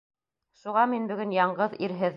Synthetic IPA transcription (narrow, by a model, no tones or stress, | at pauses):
ʃuʁɑminbɵ̆ɡɵnjɑɴɢɤðiɾɦɘð